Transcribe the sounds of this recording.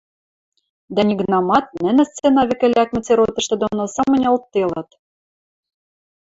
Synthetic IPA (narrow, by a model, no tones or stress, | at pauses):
d̪ænʲiɣnɑmɑt̪̚nɘ̆nɘ̆st͡senɑβɘ̆kɘ̆lʲækmɘ̆t͡seɾot̪ɤ̆ʃt̪ɘ̆d̪onosɑmɤ̆nʲɤ̆lt̪ːelɑt̪